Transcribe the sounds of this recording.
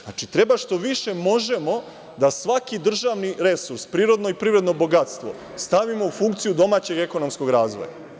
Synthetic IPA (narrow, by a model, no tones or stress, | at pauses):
at͡ʃit̪ɾe̞baʃt̪o̞ʋiʃe̞mo̞ʒe̞mo̞ | d̪asʋakid̪r̩ʒaʋniɾe̞suɾspɾiːɾo̞d̪no̞ipɾiʋvɾed̪no̞bo̞ɡat̪st̪ʋo̞̰ | st̪aʋimo̞ufuŋkt̪sijud̪o̞maːt͡ɕe̞ɡe̞ko̞nomsko̞ɡɾaːzʋo̞̰ja̰